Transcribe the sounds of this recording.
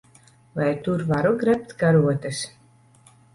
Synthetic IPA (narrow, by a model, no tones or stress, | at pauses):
vajt̪uɾvaɾuɡɾɛp̚t̪ɡaɾuɔt̪es